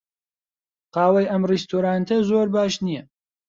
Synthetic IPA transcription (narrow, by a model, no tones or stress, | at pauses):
qɑːwɐjʔɐmrist̪ʰoɾaːnt̪ʰɐzoːɾbaːʃnijɛ